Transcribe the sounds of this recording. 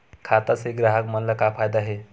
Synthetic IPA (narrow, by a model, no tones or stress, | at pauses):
kʰat̪aseɡɾaɦəkmənləkapʰajd̪aɦe